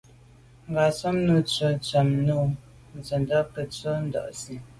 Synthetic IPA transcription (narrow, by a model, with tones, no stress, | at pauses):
ŋ̩˨ɡa˨sɔ˦mnu˦t͡sə˨t͡sa˨mnu˦ | n̩˨zə˨ndɔ˦pə˨t͡sə˦n̩˦dɔ̰˨ʔsi˨